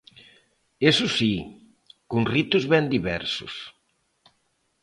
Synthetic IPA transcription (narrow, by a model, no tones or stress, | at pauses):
esʊsi | kuŋrit̪ʊzβɛnd̪iβɛ̰ɾsʊ̰s